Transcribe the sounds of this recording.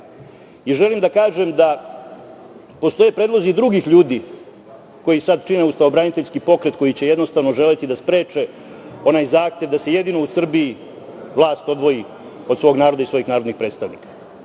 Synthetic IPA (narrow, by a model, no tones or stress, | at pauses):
iʒe̞limd̪akaːʒemd̪a | po̞st̪o̞jepɾed̪lˠo̞zid̪ɾuɡixʎuːd̪iː | ko̞jisad̪t͡ʃineust̪aobɾanit̪eʎʲskipo̞kɾe̞t̪ko̞jit͡ɕeje̞d̪no̞st̪aʋno̞ʒe̞let̪id̪aspɾe̞ːt͡ʂe | o̞naːjzaːxt̪e̞ʋd̪ase̞jed̪inousr̩bii | ʋlˠaːst̪o̞d̪ʋo̞ji | osʋo̞ːɡnaːɾo̞d̪aisʋo̞jixnaːɾod̪nixpɾe̞ːt̪st̪aʋnḭkḁ